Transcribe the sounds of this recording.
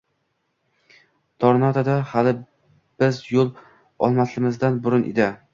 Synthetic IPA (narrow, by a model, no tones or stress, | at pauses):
t̪ʰɒɾnat̪ʰad̪ahalɪ | b̥ɪzjolˠ | ɒlˠmaslɪmɪzd̪anbʊɾʊnʔɪ̰d̪ɪ